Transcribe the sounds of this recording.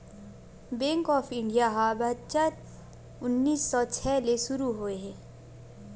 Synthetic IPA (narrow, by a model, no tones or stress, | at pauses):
bẽːŋkɔːfɪ̃ɳɖijaɦabɐt̪t͡ʃəɾ | ʊnːiːsːɔːt͡ʃʰɛːleʃʊɾuɦoeɦɛ̃ː